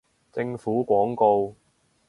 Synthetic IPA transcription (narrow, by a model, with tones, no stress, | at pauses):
t͡sɪ˧ŋfuː˨˥kʷɔː˨˥ŋko˧w